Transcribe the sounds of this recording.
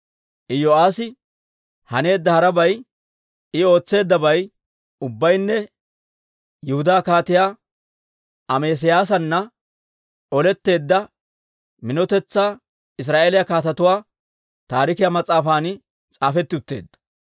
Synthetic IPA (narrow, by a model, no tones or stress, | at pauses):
ʔɪjoaːsɪ | hɐne̞ːd̪ːɐhɐɾɐbɐj | ɪo̞ːt͡sːe̞ːd̪ːɐbɐj | ʊbːɐjnːɛ | jʊhʊd̪aːkaːt̪ɪjaː | ʔɐmeːs̬ɪjaːs̬ɐnːɐ | ʔɔlɛt̪ːe̞ːd̪ːɐ | mɪnɔt̪ɛt͡sːaː | ɪs̬ɾaːʔeːlɪjɐkaːt̪ɐt̪ʊwaː | t̪aːɾɪkɪjamɐt͡sʼːaːfaːnɪ | t͡sʼaːfɛt̪ːɪʊt̪ːe̞̰ːd̪ːɐ̥